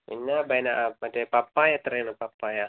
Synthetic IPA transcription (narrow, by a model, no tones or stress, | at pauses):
ḭnabajnaʔmat͡ʃapapajat̪əɾanapapaja